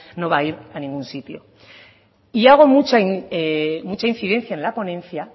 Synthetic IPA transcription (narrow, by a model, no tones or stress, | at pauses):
no̞βaiɾanĩŋɡunsit̪jo̞̰ | iaɣ̞o̞mut͡ʃaiemut͡ʃain̟θiðe̞nθjaenlapo̞nẽ̞nθja